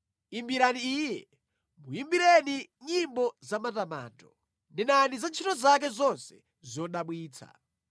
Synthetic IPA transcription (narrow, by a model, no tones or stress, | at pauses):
imbiɾaniijɛ | mujimbiɾɛniɲimbɔzamatama̰ːntɔ | ndinanizant͡ʃʰitɔzak̬ɛzɔnsɛ̥ | zɔɗaɓwiːt͡sʰa̰